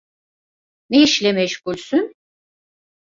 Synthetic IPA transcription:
neiʃlʲɛmɛʃkulʲsyn

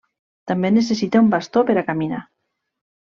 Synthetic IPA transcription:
t̪ambenesesit̪eumbast̪opeɾakamina

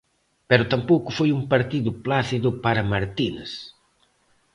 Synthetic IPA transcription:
pɛɾʊt̪ampowkʊfojumpɐɾt̪iðʊplaθiðʊpaɾɐmaɾt̪ines

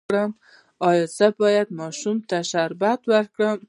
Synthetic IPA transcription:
ɾam | ɒjɒzabɒjad̪mɒʃumt̪ʰaʃaɾbat̪waɾkɾam

